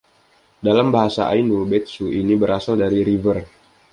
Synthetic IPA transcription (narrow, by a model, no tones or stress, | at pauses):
dalambaɦasa̰ʔa̰inubɛt̪̚suinibəɾasaldaɾiɾivər